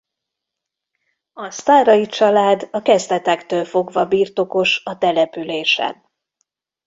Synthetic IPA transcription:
ɒst̪aːrɒjit͡ʃɒlaːd̪ɒkɛzd̪ɛt̪ɛkt̪øːlfo̞ɡvɒbiːrt̪o̞ko̞ʃɒt̪ɛlɛpyleːʃɛ̰n

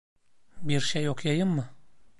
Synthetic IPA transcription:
biɾʃejokjɑjɯmːɯ

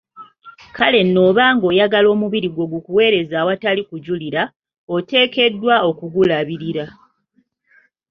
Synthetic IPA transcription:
kale̞nːo̞ːβaːŋɡo̞ːjaɡalo̞ːmuβiɾiɡwo̞ɡukuwe̞ːɾe̞zaːwatalikuɟuliɾa | ote̞ːke̞dːwao̞kuɡulaβiɾiɾa

